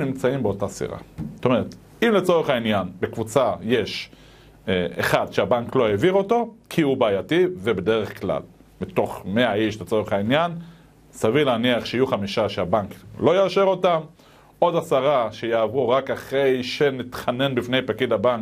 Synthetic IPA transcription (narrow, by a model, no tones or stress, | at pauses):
nimt͡saimbeo̞tasḭʁa̰o̥t̪ome̞ʁ̞et̪ | imlet͡so̞ʁeχainjanbe̞kvut͡sajeʃ | ḛχad̪ʃeabaŋklo̞eviʁo̞to̞kʰiubaːjativebede̞ʁeχkla̰l | mito̞χme̞aiʃlet͡so̞ʁeχainjan | savilaːniaχʃeijuχamiʃaʃeabaŋklo̞jaːʃe̞ʁo̞tam | o̞dasaʁaʃejaːvʁuʁakaχʁe̞jʃe̞nit̪χane̞nbifne̞jpakidabaŋk